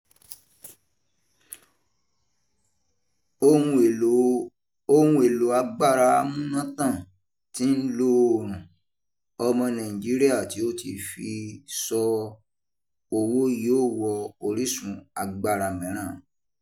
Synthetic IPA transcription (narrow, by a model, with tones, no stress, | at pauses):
o˦ũ˧˨ | õ˦ũ˧˦e˨lo˨˦a˧ɡ͡ba˦˨ɾa˧mũ˦nã˦tã˦˨ | tĩ˨˦n̩˦lo˦o˨ɾ̃ũ˨ | ɔ˧mɔ̃˧nã˨ĩ˨d͡ʒi˨˦ɾi˦a˦˨ti˨˦o˦tʰi˧fi˧sɔ˧ | o˧wo˦joː˦˨wɔ˧o˧ɾi˦sũ˧a˧ɡ͡ba˦˨ɾa˧˨mɛ̃˨˦ɾ̃ã˦˨